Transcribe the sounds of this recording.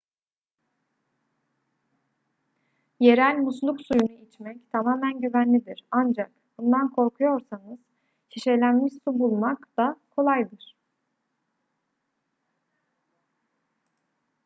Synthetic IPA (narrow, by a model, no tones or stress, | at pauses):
je̞ɾælʲmuslˠuksujunuʔit͡ʃmɛct̪ʰamaːmænɟyvænlʲid̪iɾand͡ʒak | bund̪ankʰo̞ɾkʰujo̞ɾsanɯz̥ | t͡ʃʰiʃelʲænmiʃsubulˠmakd̪̥akʰo̞lˠajd̪ɯɾ̥